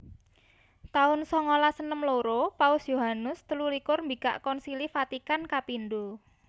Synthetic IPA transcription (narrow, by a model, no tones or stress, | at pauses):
t̪aʊnsɔŋolasənəmloɾopaʊsjoɦanʊst̪əlulikʊrmbika̰ʔkɔnsilifat̪ikankapind̪u